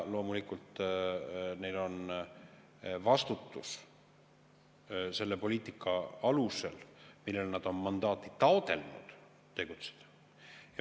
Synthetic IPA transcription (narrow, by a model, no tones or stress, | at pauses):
lo̞ːmulikːˑult̪ːˑ | ne̞jlo̞n | vɑst̪ut̪ːus | se̞lːe̞po̞lʲiːt̪ˑikːˑɑɑluse̞lmilːelnɑd̪̥o̞nmɑnd̪̥ɑːt̪ˑːit̪ɑod̪e̞lnṵd̪̥ | t̪ːe̞ɡ̥ut̪se̥d̪̥ɑ̥ | jɑ